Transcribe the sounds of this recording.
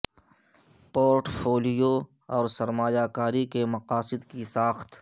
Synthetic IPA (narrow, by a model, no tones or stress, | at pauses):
poːɾʈfʰoːlɪjoɔːɾsɐɾmaːjaːkaːɾikemɐqaːsɪd̪kisaːxt̪